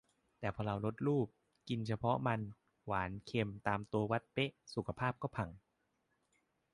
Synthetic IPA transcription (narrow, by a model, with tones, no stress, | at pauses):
t̪ɛː˨˩pʰɔː˧ɾa˧wɾo˦˥t̪̚ɾuː˥˩p̚ | ki˧nt͡ɕʰa˧pʰɔ˦˥ma˧n | waː˩˦nkʰe˧mt̪aː˧mt̪u˧ɐwa˦˥t̪̚pe˦˥ʔsu˨˩kʰa˧pʰaː˥˩p̚kɔː˥˩pʰa˨˩ŋ